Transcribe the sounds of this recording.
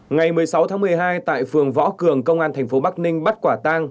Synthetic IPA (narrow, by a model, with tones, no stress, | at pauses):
ŋa˨˩jmɨ˨˩əjsa˨˦wt̪ʰaː˨˦mɨ˨˩əjɦaː˧jt̪a̰ː˧˨jfɨ˨˩əŋvɔ̰˧˥kɨ˨˩əŋkə˧wŋ͡mʔaː˧nt̪ʰɛ˨˩ŋ̟fo˨˦ɓa˦˥k̚nï˧ŋ̟ɓə˦˥t̚kwaː˧˩t̪aː˧ŋ